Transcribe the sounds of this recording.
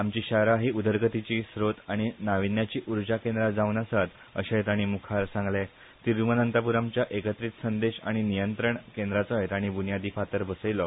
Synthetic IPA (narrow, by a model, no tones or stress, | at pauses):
amt͡ɕiːɕaɾaɦiːud̪əɾɡət̪it͡ɕiːsɾot̪aɽ̃inaʋinjat͡ɕiːʔuɾd͡ʑakẽnd̪ɾad͡zaʋnasat̪ | ə̰ɕat̪aɽ̃iːmukʰaɾsãŋɡlɛ | t̪iɾumənənt̪apuɾamt͡ɕjaʔekət̪ɾiːt̪sənd̪eɕa̰ɽ̃inijənt̪ɾəɳkẽnd̪ɾat͡sɔet̪aɽ̃ibunjad̪iːfat̪əɾbəsəjlɔ